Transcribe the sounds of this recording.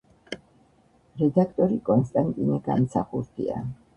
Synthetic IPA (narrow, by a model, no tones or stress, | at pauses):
ɾɛd̪akʰt̪ʼɔɾikʼɔnst̪ʼant̪ʼinɛɡa̰msʰaχuɾd̪ḭa̰